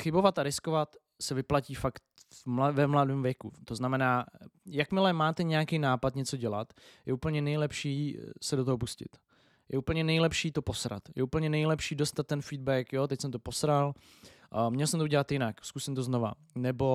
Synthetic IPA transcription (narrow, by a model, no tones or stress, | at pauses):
xɪbo̞vat̪aɾɪskovat̪ | sɛvɪplaciːfakt̪mavɛmladɪmvjɛkut̪o̞znamɛnaːjakmɪlɛmaːt̪ɛɲɛjakɛjnaːpat̪ɲɛt͡so̞ɟɛlat̪jɛuːpl̩ɲɛnɛjlɛpʃiːsɛdot̪oɦopuscɪ̰t̪ | jʔɛʔuːpl̩ɲɛnɛjlɛpʃiːt̪o̞posɾa̰t̪jɛ̰uːpl̩ɲɛnɛjlɛpʃiːdost̪at̪̚ːɛnfiːd̚bɛkjot̪ɛcsɛmt̪oposɾal | mɲɛlsɛmt̪ouɟʲɛlat̪jɪnakskusɪmt̪oznova̰ | nɛbo̞